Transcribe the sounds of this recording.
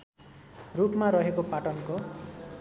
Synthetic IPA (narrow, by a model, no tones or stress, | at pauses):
rupmaɾʌɦekopaʈʌnko